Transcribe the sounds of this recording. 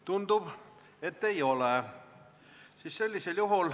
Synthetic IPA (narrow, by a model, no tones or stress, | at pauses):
t̪und̪̥ub̥ | et̪ːejo̞le | sisse̞lʲːise̞ljuɦul